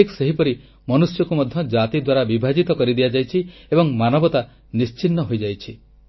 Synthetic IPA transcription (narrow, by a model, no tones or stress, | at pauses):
ikseɦipɔɾi | mɔnusjɔkumɔd̪ʱjɔd͡ʒat̪id̪waɾabibʱad͡ʒit̪ɔkɔɾid̪ijad͡ʒajt͡ʃʰiebɔŋmanɔbɔt̪a | nist͡ʃinːɔɦojd͡ʒajt͡ʃʰi